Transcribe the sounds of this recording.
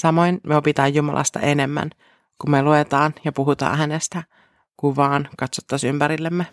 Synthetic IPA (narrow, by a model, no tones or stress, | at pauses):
sɑmoinmeopit̪ɑːjjumɑ̰lʔɑ̰st̪ɑ̰ʔenemːæ̰n | kummeluet̪ɑːnjɑpuɦut̪ɑ̰ːnɦænest̪æ | kuʋʋɑːnkɑt̪sot̪ːɑsympæɾilːemːe